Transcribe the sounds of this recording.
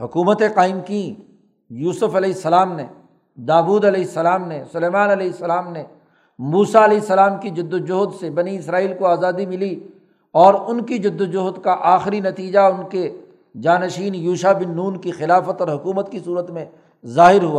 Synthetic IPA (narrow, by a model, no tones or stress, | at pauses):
hʊkuːmət̪ẽqaːɪmkĩ | juːsʊfɐlɛːɪsːɐlaːmne | d̪aːbuːd̪ɐlɛːɪsːɐlaːmnesʊleːmaːnɐlɛːɪsːɐlaːmne | muːsaɐlɛːɪsːɐlaːmkid͡ʒʊd̪ːod͡ʒʊɦd̪sebɐniɪsɾaːiːlkoaːzaːd̪imɪli | ɔːɾʊnkid͡ʒʊd̪ːd͡ʒʊɦd̪kaʔaːxɪɾinɐt̪iːd͡ʒaʊnke | d͡ʒaːnɐʃiːnjuːʃabɪnːuːnkixɪlaːfət̪ɔːɾɦʊkuːmət̪kisuːɾət̪mẽ | zaːɦɪɾɦuaː